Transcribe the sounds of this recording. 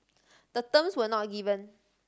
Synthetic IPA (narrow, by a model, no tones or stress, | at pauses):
d̪̥ət̪ə̃mswənɔt̚ɡivə̃n